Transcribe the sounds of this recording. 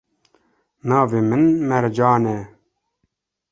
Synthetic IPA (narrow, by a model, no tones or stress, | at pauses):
nɑːveːmɨnmɛɾd͡ʒɑːnɛ